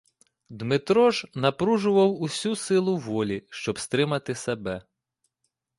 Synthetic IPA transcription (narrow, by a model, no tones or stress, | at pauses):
d̪mɪt̪ɾɔʒnɐpɾuʒʊʋɐwusʲusɪlˠʊʋɔlʲiʃt͡ʃɔbst̪ɾɪmɐt̪ɪsebɛ